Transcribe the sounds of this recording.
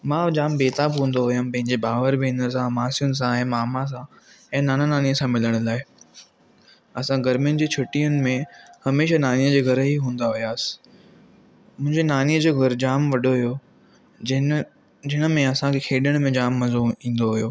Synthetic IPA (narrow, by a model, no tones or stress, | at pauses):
mãːd͡ʑaːmbeːt̪aːbɦũːn̆d̪oɦʊjəmpɐ̃ɦɪ̃ɲd͡ʑebʱaːʋəɾbiɪ̃nəs̬ãmaːsijʊnɪ̆s̬ãɛ̃ːmaːmãs̬ã | ɛ̃ːnaːnanaːniəsãmɪləɽ̃laːɪ | ɐsãɡɐɾmijʊnɪ̆d͡ʑeːt͡ɕʰʊʈijʊnɪ̆mẽhɐmeːʃanaːnijəd͡ʑeːɡʱɐɾɦiɦũːn̆d̪aɦʊjaːsɪ̥ | mʊ̃ɦɪ̃ɲd͡ʑenaːniəd͡ʑoːɡʱɐɾd͡ʑaːmʋɐɗoɦujo | d͡ʑɪɦɪnə̆mẽɐsãkʰekʰeːɗəɽ̃mẽd͡ʑaːmːɐzuĩːn̆d̪oɦijoː